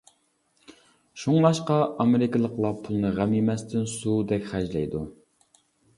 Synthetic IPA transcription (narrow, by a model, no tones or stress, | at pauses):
ʃuŋbɑʃqɑʔɑmeɾɪkɨlˠəqlˠɑpʰulˠnɨʁæmjimɛst̪ʰɪnsud̪ɛkʲχæd͡ʒlɛ̰jd̪u